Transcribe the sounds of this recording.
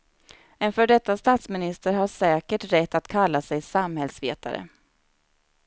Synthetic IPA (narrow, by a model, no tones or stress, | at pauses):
ɪnfœːɖɛt̪ːast̪aːt̪smɪnɪst̪əɾɦaʂɛːkəʈɾɛt̪ːat̪kʰalːasɛjsamhɛlsvḛːt̪ʰa̰ɾə̰